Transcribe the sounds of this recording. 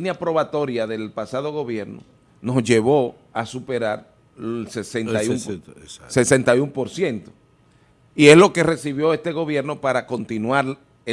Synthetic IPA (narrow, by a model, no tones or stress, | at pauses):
njapɾo̞βat̪o̞ɾjaðe̞lpasað̞o̞ɣo̞βje̞ɾno̰ | no̞sʝe̞βo̞ | asupe̞ɾaɾ | sesent̪ajumse̞se̞nt̪ajumpo̞ɾsje̞nt̪o̞̥ | ie̞slo̞ke̞re̞siβjo̞e̞st̪e̞ɣo̞βje̞ɾno̞paɾako̞nt̪inwaɾ | e